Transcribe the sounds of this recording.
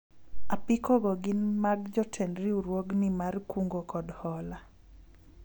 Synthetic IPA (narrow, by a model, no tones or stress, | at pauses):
apɪkoɡɔɡɪnmaɡd͡ʒɔtʰɛnɾɪuɾwoɡnɪmarkuŋɡokɔdhɔla